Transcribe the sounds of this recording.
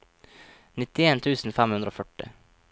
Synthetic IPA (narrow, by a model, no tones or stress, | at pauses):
nɪt̪ɪeːnt̪ʰʉːsn̩fɛmhʉnd̪ɾəoːfœʈɪ̰